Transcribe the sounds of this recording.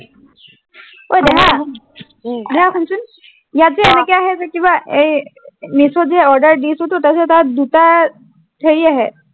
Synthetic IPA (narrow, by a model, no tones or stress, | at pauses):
ojd̪eɦã | d̪eɦãpʰənt͡ɕuːn | jat͡seːnəkeaɦet̪əkĩw̃ʋae | misod͡zeɔɾɖəɾɖisɦot̪ut̪əset̪ad̪ut̪a | t̪ʰəɾiːaɦe